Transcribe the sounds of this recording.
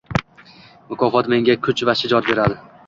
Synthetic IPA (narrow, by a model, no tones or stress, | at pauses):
mʊkʰɒfɒt̪me̞ŋɡʲakʰʊt͡ʃvaʃɪd͡ʒɒt̪be̞ɾad̪ɪ